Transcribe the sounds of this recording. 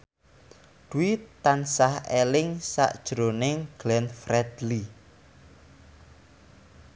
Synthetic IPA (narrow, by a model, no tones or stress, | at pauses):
d̪̥uit̪ansahelɪŋsa̰ʔd̥ʒ̥ɾonɪŋɡ̥lɛnfrɛd̪̥li